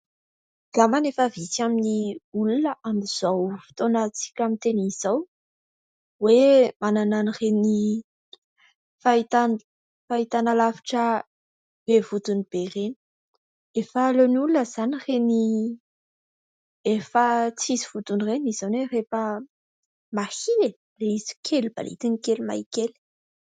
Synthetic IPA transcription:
l̥amanefəvisaminiulunəʔamiz̥awfi̥t̪onat͡si̥kʲamint̪eniz̥aw | wemanananireni | fait̪an | fait̪analavi̥ʈ͡ʂə | b̥evut̪unib̥ereni̥ | efaːlonulunəzanireni | efət͡siziv̥ut̪unireniz̥awnerefə | mahie | reizi̥kʰʲeliba̰lḭt̪inikelima̰jikeli̥

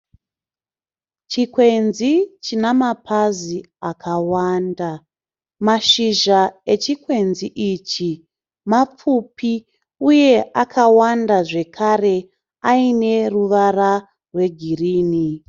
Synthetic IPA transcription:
t͡ʃikwe̞nzit͡ʃinamapʰazi | akʰawaːnda | maʃiʒae̞t͡ʃikwe̞nziʔit͡ʃi | map͡fupi | uje̞ʔakʰawandaʐe̞kʰare̞ | aine̞ruʋara | rwe̞ɡʱiriːni

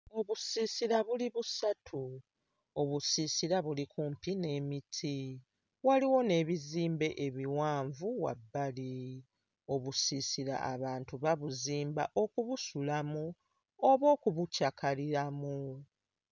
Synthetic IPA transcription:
o̞βusisiɾaβuliβusatʰu | o̞βusisiɾaβulikuːmpine̞ːmitʰi | waliwo̞ne̞ːβiziːmbe̞ʔeβiwaːɱvuwa̰bːali | o̞βusiːsiɾa̰ʔa̰βaːntuβaβuziːmba̰ʔo̞kuβusulamu | oβo̞ːkuβucakaliɾamu

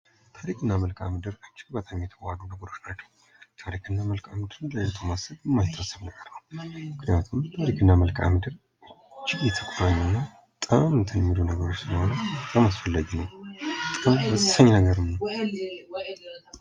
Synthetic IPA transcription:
t̪ʰaɾikʰʼɨnːaməlkʼa̰mɨd̪ɨɾat͡ʃːɪɡbət̪ʼamjɛt̪ʰəwad̪unəɡəɾo̞t͡ʃːnat͡ʃːɛ̥w | t̪ʰaɾikʰɨnːaməlkamɨd̪ɨɾɨnləjɛt̪ʰomasəβjɛmːajt̪ʰːasəβnəɡəɾnəwmmɨknijat̪ʰumt̪ʰaɾikʰɨnːaməlkʰʼa̰mɨd̪ɨɾ | ɨt͡ʃːɪɡjɛt̪ʰəkʼoɾaɲːɛnːa | t̪ʼəmɨnt̪ʰənmilunəɡəɾo̞t͡ʃːsɨləho̞nət̪ʼəmasfəlːaɡinəwt̪ʼəmbəsʼsaɲnəɡəɾɨməw

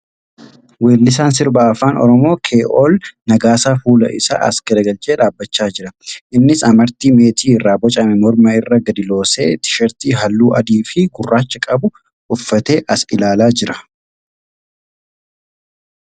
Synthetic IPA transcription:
weːlːɪs̬aːns̬ɪɾbaɐfaːnɔ̰ɾɔmo̞ːkʰeːʔoːlnɐɡaːsaːfuːlɐ̰ʔɪ̰sa̰ːʔɐ̰skɐd̪ɐɡɐlt͡ʃʼeːᶑaːbːɐt͡ʃːaːd͡ʒɪɾɐʔɪnːɪsɐmɐɾt̪iːme̞ːt̪iːɪrːaːbɔt͡ʃʼɐmɛmɔɾmɐɪrːɐɡɐd̪ɪlo̞ːsḛːt̪ɪ̥ʃɐɾt̪iːɦɐlːuːʔɐd̪iːfɪɡʊrːaːt͡ʃːɐkʼɐbʊ | ʊfːɐt̪e̞ːʔɐsɪlaːlaːd͡ʒɪɾɐ

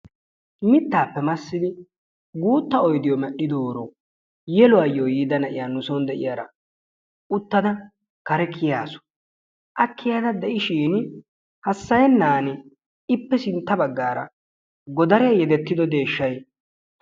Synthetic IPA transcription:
mɪt̪ːaːpːɛmɐsːɪd̪ɪ | ɡuːt̪ːɐɔjd̪ɪjɔmɛɗːɪd̪oːɾo | jɛlʊwajːoːjiːd̪ɐnɐʔɪjaːnʊsɔnd̪ɛʔɪ̰jaːɾɐ̰ | ʊt̪ːɐd̪ɐ | kɐɾɛkʰɪjaːsɔ̥ | ʔɐkːɪjaːd̪ɐd̪ɛʔɪʃiːn | hɐsːɐjɛnːaːnɛ | ɪpːɛsɪnt̪ːɐbɐɡːaːɾɐ̰ | ɡɔd̪ɐɾɛjɐjɛd̪ɛt̪ːɪd̪ɔd̪e̞ːʃːɐj

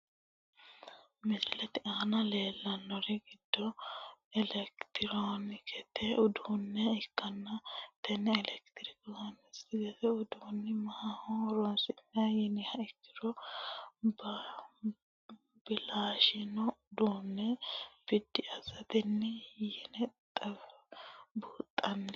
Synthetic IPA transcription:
mɪsɪlɛt̪ɪʔaːnɐle̞ːlːɐnːɔɾɛɡɪd̪̥ːɔɛlɛkt̪ɪɾonɪkɛt̪ʰɛʊd̪unːɛɪkːɐnːɐt̪ɛnːɛːlɛkt̪ɾɪkonɪsɪɡɛt̪ɛʊd̪uːnːɪmɐhahɔɾɔnsɪnːɐjɛnɪhɐɪkːɪ̥ɾɔ | bɐ | bɪlaːʃɪnɔd̪uːnːɛb̥ɪd̪ːɪʔɐzɐt̪ɪnːɛjɛnɛt̪ʼɐf | buːt̪ʼːɐnːɛ

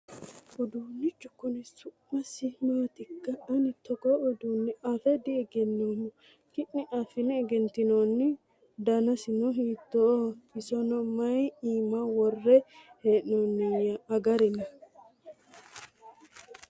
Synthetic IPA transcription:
ɔd̪uːnːɪt͡ʃːʊkːɔnɛsʊʔmɐsɪmaːt̪ɪkːɐɐnɪt̪ːɔɡɔʔɔd̪uːnːɛʔɐfɛd̪ɪɛɡɛnːoːmɔ | kɪʔnɛʔɐfɪnɛːɡɛnt̪ːɪnoːnːɪ | d̪ɐnɐsɪnɔɦiːt̪ːɔɪsɔnɔmɐjiːmawɔrːɛheːʔnonːɛjɐɐɡɐɾɪnɐ

